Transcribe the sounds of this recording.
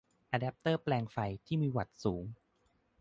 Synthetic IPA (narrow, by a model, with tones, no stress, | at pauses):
ʔaː˧dɛː˦˥p̚t̪ɤː˥˩plɛː˧ŋfa˧jt̪ʰiː˥˩miː˧wa˨˩t̪̚suː˩˦ŋ